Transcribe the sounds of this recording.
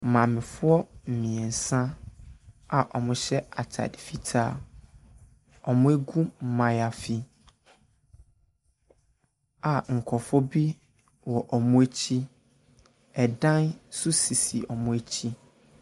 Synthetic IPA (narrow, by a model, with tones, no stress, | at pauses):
mã˨mɪ̃˨fʊ˦ɔ˦m̩˨mĩ˨ɛ˨n̩˨sã˦ | a˨ʔɔ̰˨mʊ̃˦ɕɛ˦a˨tʰa̰˨dɪ˨fi˨tʰaː˦˨ | ɔ˨mʊ̃˦e˦ɡũ˦m̩˨mã˨ja˨fi˨ | a˨ŋ̩˨kʰɔ˨fɔ˦bi˦ | wɔ˨ʔɔ˨mʊ̃˦e˦t͡ɕʰi˦ | ɛ˨dã˦nsʊ˦si˨si˨ʔɔ˨mʊ̃˦e˦t͡ɕʰi˦